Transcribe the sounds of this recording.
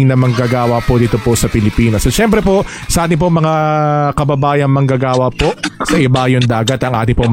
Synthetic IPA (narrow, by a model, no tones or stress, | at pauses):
ŋnɐmɐŋɡɐɡaːwɐpod̪iːt̪oposɐpɪlɪpiːnosɐʃɛmpɾɛpo̞ | sɐʔaːt̪ɪŋpoŋmɐŋakɐbɐbaːjɐŋmɐŋɡɐɡaːwɐpo̞ʔsɐʔɪbajoŋd̪aːɡɐt̪ɐŋʔa̰ːt̪ɪŋpoŋm